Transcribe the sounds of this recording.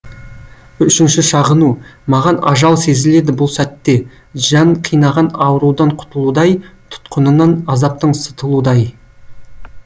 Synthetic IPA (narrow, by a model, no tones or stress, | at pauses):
ʏʃɪnʃɪʃɑʁənumɑʁɑnɑʒɑlˠse̞zɪle̞d̪ɪbʊlˠsæt̪ːe̞ | ʒɑɴqʰijnɑʁɑnɑwəɾud̪ɑɴqʰʊ̥t̪əlˠud̪ɑjt̪ʰʊ̥t̪qʰənənɑnɑzɑp̚t̪əɴsə̥t̪əlˠud̪ɑj